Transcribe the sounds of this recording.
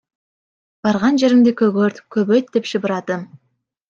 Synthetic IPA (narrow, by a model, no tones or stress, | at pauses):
b̥ɑɾʁɑnʒe̞ɾɪŋd̪ekʲʰɵɡøɾt̪kʲʰɵbøt̪̚d̪epʃəbəɾɑd̪əm